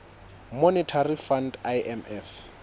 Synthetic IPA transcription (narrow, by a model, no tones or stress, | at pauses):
mɔnɛtʰarifandaɛmɛf